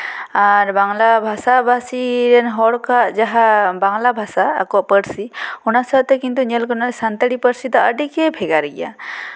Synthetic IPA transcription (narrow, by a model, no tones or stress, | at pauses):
aɾbaŋlabʱasabasiɾɛnɦɔɽkaʔd͡ʒaɦabaŋlabʱasa̰ːkɔʔpəɾsiunasat̪ɛkint̪uɲɛlkɔnaɾɛsant̪aɽipəɾsit̪ɔəɖikɛbʰʱɛɡaɾɛɡḭja̰